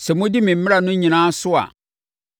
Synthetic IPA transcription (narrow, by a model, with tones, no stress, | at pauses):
sɛ˨mʊ̃˦dɪ˦mɪ̃˨m̩˦mɪ˦ɾa˨nʊ̃˦ɲĩ˨nãː˦sʊ˦a̰˨